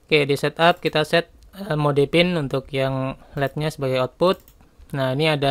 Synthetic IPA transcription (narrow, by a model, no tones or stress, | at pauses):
kajaʔdisɛt̪ap̚kit̪asɛt̪̚ | əmodepɪnunt̪ʊkjaŋlɛt̪̚ɲasəbaɡajɔt̪̚pʊt̪̚ | nahiniada